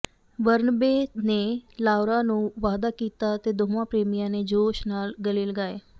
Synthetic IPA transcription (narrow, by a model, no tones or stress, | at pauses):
ʋəɾnəbeːneːlaːʊɾaːnũːʋaːd̪aːkiːt̪aːt̪eːd̪oːmãːpɾeːmɪjãːneːd͡ʒoːʃnaːlɡəliːləɡaːeː